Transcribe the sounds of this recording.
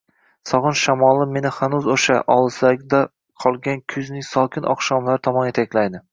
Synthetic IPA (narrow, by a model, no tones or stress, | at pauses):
sɒʁɨnʃamɒlˠɪmːe̞nɪhanuzoʃa̰ʔɒlˠɨsaɡʲd̪a | qʰɒlˠɡʲankʲʰʊznɪŋsɒkʲʰɪnʔɒ̰χʃɒmlaɾt̪ʰɒmɒnet̪ʰakʲlajd̪ɪ